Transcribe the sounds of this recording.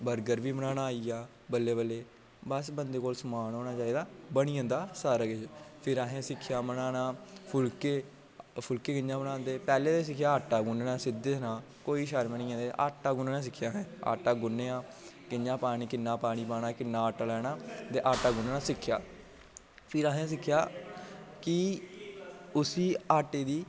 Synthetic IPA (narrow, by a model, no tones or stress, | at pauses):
bəɾɡəɾʋiːmənãːnaːiːaː | bəlːeːbəlːeː | bəsbənd̪eːkoːlsəmaːnoːnaːt͡ʃaːiːd̪aːbəɽiːə̃ːnd̪aːsaːɾakɪt͡ʃpʰɪɾaɦẽːsɪkʰːjaːmənaːnaːpʰʊlkeː | pʰʊlkeːkɪd͡ʒãːbənaːnd̪eːpɛːleːt̪eːsɪkʰːjaːaːʈːaːɡʊneːnaːsɪd̪esnãː | koːiːʃaɾmənĩːãːnd̪eʔa̰ːʈːaːɡʊneːnãːs̬ɪkʰːjaːɦɛ̃ːa̰ːʈaːɡʊnːeːaː | kɪɲd͡ʒãːpaːɽ̃iːkɪnːaːpaːɽ̃iːpaːnaːkɪnːãːaːʈaːlɛːnaːt̪eːʔaːʈaːɡʊnaːãːsɪkʰːjaː | pʰɪɾaːɦẽːs̬ɪkʰːjaː | kɪ | ʊsiːaːʈeːd̪iː